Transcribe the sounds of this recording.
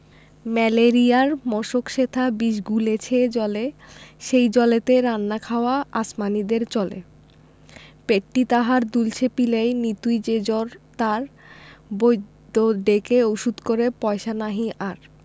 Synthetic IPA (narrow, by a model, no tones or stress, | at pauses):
mɛleɾiaɾmɔʃokʃet̪ʰabiʃ̬ɡulet͡ɕʰed͡ʑɔleʃejd͡ʑɔlet̪eɾanːakʰaoaasmanid̪eɾt͡ɕɔlḛ | peʈːit̪aɦaɾd̪ult͡ɕʰepilejnit̪ujd͡ʑed͡ʑɔɾt̪aɾ | bojd̪oɖekeoʃud̪koɾepɔeʃanaɦiʔaɾ